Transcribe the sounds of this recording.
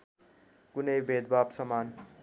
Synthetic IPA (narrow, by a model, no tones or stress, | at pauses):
kunʌjbed̪̚babsʌman